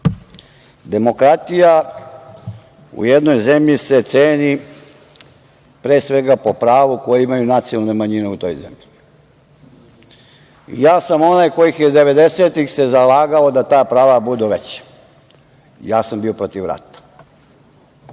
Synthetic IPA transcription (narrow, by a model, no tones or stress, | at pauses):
d̪e̞mo̞kɾat̪ija | ṵjed̪no̞jzemʎise̞t̪seːni | pɾeːsʋe̞ɡapo̞pɾaːʋuko̞jeimajunat̪sijalnumaɲineut̪o̞̰jzḛmʎii | ḭjaːsamo̞najko̞jixjed̪e̞ʋe̞d̪eset̪ixse̞zalaːɡao̞d̪at̪aːpɾaːʋabud̪uʋet͡ɕḁ | ijaːsambiopɾo̞t̪iʋɾa̰t̪ḁ